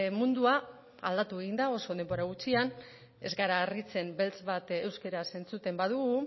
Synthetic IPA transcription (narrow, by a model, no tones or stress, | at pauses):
mund̪ua | a̰ld̪at̪ueɣind̪ao̞so̞ð̞e̞mbo̞ɾaɣ̞ut͡sian | e̞zɡaɾaːrit͡se̞mbe̞lt͡sβat̪e̞wske̞ɾase̞nt͡sut̪e̞mbað̞uɣu